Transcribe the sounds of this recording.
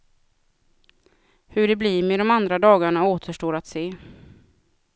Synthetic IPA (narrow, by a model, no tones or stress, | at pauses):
hɵɖɛbliːɾmɛd̪ɔmand̪ɾad̪ɑːɡaɳaoːt̪ʰəʂʈoːɾat̪seː